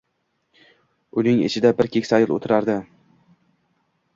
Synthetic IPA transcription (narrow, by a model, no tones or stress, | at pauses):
ʊnɪŋɪ̰t͡ʃʰɪd̪abɪɾkʲʰekʲsajɪlˠo̰t̪ʰɪɾaɾd̪ɪ